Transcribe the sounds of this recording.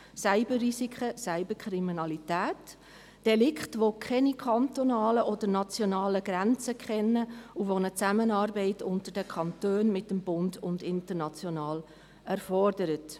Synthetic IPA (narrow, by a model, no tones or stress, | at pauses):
sæɪbərisikʰχəsæɪbəkʰɾiminɑlitæːt | d̥ɛlɪkχtʋokʰɛnikʰɑntonɑːləʔɔd̥əɾnɑt͡sjonɑːləɡ̥ɾænt͡səkχɛnːəuʋonət͡sæmənɑːɾbɛɪtʰʊntəɾd̥əkʰχɑntøːnmɪtːəmbʊndʊndɪntəɾnɑt͡sjonɑːl | æɾfɔɾdəɾət